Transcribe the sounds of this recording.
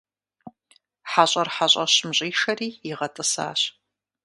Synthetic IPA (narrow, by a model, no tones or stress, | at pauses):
ħaɕʼɐrħaɕʼɐɕmɕʼiːʃɐriːɪʁɐtʼɨsa̰ːɕ